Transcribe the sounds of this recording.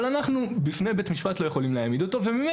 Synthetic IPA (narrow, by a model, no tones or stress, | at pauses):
lanaχnubifnejbe̞t̪miʃpat̪lo̞je̞χo̞limleamid̪o̞t̪o̞vemime